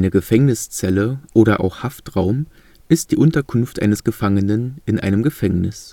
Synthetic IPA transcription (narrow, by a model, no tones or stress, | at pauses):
nəɡəfɛŋnɪst͡sɛləʔoːɾɐʔa̰ʊxhaftʁaʊm | ʔɪst̚d̥iːʔʊntɐkʰʊnftʔa̰ɪnəsɡ̥əfaŋənənʔɪnʔa̰ɪnəmɡəfɛŋnɪs